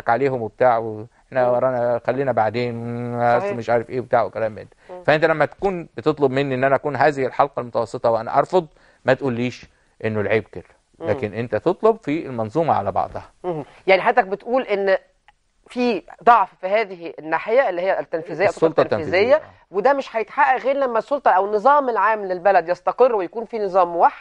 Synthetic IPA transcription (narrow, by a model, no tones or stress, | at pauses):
kʕaleːɦomweb̚t̪aːʕweeħnæɑɾˤɑʔnæxælːiːnæbaʕd̪eːnweæsːmeʃʕaːɾefʔeːbet̪aːʕwekælæːmːḛnːfæʔent̪ælæmːæt̪æ̥kuːnbet̪et̪ˤlobmenːiʔenːʔænæʔækuːnɦæːzɪhɪlħɑlqɑlmot̪ɑwɑsˤːet̪ˤɑweʔænæ̰ʔɑɾˤfod̪ˤ | mæt̪ʔuːlːiːʃ | ʔenːolʕiːb̚kelːæ | læːkenʔent̪æt̪et̪ˤlobfielmɑnzˤuːmɑʕa̰læ̰bɑ̰ʕd̪ˤhɑ | jaʕniħad̪ːæk̚bet̪ʔuːlʔenː | fiːd̪ˤɑʕffihæːðɪhenːaːħejæʔelːihejːæt̪ːænfizejːæʔtːoːlt̪ːæniːzejːæ | wed̪æmeʃħæjet̪ħaʔæʔɣeːɾlæmːæsˤːolt̪ˤɑʔæwnːɨzˤɑːmelʕaːmlelbælæd̪jɑst̪ɑqerːwejækuːnfinɨzˤɑːmwaħd̪